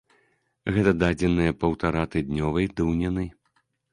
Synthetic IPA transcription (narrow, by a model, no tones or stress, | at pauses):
ɣɛt̪ɐd̪ad͡zʲɛnɨjɐpɐwt̪aɾat̪ɨd̪ʲnʲɔvɐjd̪ɨwnʲɛnɨj